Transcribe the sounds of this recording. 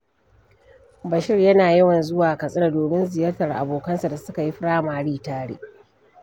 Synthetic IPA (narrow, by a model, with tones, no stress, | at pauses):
bɐ˨ʃɪ˦rjɐ˦naː˨jɐ˦wɐ˨nzʊ˦waː˨kɐ˨sʼɪ˦˨doː˨mɪ˦nzɪ˨jɐː˦rtɐ˨rʔa̰˨boː˨kɐ˦nsa˨da˨sʊ˦ka˨ji˦ɸɽaː˦maː˨ɽiː˦taː˦ɽḛː˦